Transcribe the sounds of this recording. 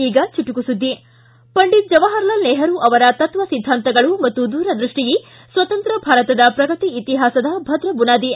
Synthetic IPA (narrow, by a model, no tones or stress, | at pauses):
iːɡɐt͡ʃiʈukusud̪ːi | pɐɳɖit̪̚d͡ʒɐʋaːɦɐɾɐlɐlnɛːɦɐɾuʔɐʋɐɾɐt̪ɐt̪ʋɐsid̪ʱːaːnt̪ɐɡɐɭumɐt̪ːud̪uːɾɐd̪ɾuʂʈiji | sʋɐt̪ɐnt̪ɾɐbʱaːɾɐt̪ɐd̪ɐpɾɐɡɐt̪iit̪iɦaːsɐd̪ɐbʱɐd̪ɾɐbunaːd̪i